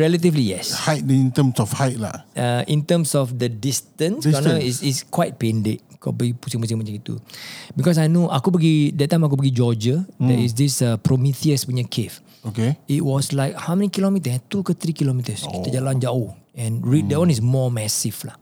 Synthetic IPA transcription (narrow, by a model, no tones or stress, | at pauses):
ɹɛlət̪̬iflijɛ̰shajt̚dɛĩnt̪əmsɔfhajt̚la̰aʔĩnt̪əmsɔfdədistə̃nskkanəisiskwajt̚pẽndeʔ̚kʰa̰pəɡipusĩŋmus̬ĩŋmat͡ʃãŋit̪ṵbikɔs̬ajnoʔakup̬əɡidɛt̚ːãj̃mak̬up̬əɡid͡ʒɔd͡ʒədɛ̰is̬disəpɾomit̪iəspuɲəkʰef | okeit̚wɔslaɪk̚hawmɛ̃nikilomit̪̬əɛ̃t̪ukət̪ɾikilomit̪əskit̪əd͡ʒalãnd͡ʒauɛ̃nɹidɛwãnismɔmɛsiflah